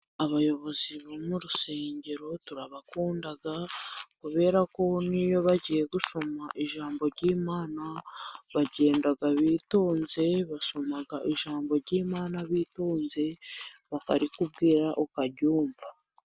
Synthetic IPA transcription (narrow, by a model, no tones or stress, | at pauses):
aβajo̞βo̞ziβomuɾuse̞ːɲɟe̞ɾo̞tuɾaβakuːndaɡakuβe̞ːɾako̞nijo̞βaɟije̞ɡuʃo̞maʔiʒaːmbo̞ɾɟiːmaːnaβaɟe̞ːndaɡaβiːtoːnze̞βaʃo̞maɡaʔiʒaːmbo̞ɾɟiːmaːnaβiːtoːnze̞βaka̰ɾikubɡiːɾaʔokaɟuːɱva